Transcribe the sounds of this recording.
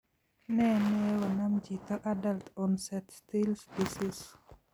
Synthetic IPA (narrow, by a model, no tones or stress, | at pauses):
nɛnɛwənamd͡ʒit̪aʔadalt̪ɔnsɛt̪st̪ilspisis